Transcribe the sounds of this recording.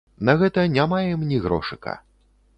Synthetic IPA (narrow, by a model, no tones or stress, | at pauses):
nɐɣɛt̪ɐnʲamajɛmnʲiɣɾɔ̰ʂɨkɐ̰